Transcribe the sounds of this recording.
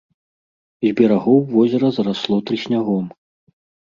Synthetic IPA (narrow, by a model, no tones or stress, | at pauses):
zʲbʲɛɾaɣɔwvɔzʲɐɾɐzɐɾaslˠɔt̪ɾɨsʲnʲaɣɔm